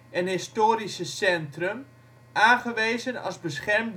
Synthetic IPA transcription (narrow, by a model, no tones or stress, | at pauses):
ɛnɦɪstoːɾisəsɛntrəm | ʔaːnχəʋejzənɑ̰lˠzbəsχɛrmd